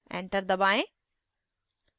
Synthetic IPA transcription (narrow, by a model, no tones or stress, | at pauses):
ḛ̃ːɳʈəɾd̪ɐbaːẽ